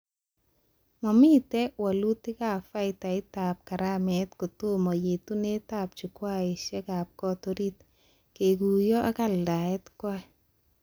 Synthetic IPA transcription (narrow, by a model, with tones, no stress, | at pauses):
mɔ˨mi˦tɛ˦walu˦ti˦ka˨fa˦ɪta˨ɪta˨p̚ka˨ɾamɛtku˨tu˦mɔ˨je˨tu˦ne˦tap̚t͡ʃukwa˦ɪ˨ʃɛ˦ka˨p̚kɔ˦toɾit | keku˨jɔ˦ʔa˦kalda˨ɛ˦tkɔ˦ɛ